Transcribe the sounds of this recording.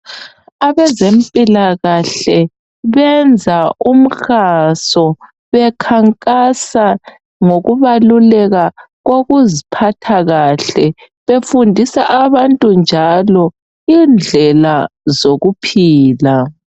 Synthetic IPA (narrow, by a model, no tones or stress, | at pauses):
aβɛzempʼilaɣaɬɛ | βɛnd͡zʱaum̩xasɔ | βɛkʰaŋkʼasa | ŋoɣuβalulɛɣa | ɣoɣuzipʰatʰaɣaɬɛ | βefundʱisaʔaβantʼund͡ʒʱalɔ | ind͡ɮʱɛlazoɣupʰiːla